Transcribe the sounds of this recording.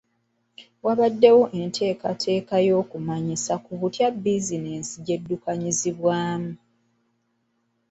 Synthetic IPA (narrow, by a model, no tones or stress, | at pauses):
waβadːe̞wo̞ʔe̞ntʰe̞ːkatʰe̞ːkajo̞ːkumaɲisakuβutjabizine̞ːnsiɟe̞dːukaɲiziβwaːmu